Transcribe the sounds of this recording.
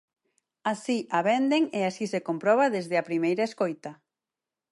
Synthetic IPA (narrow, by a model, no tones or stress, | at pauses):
asiʔaβɛnd̪eŋeasisekompɾɔβ̞aðezðɪapɾimejɾaeskojt̪a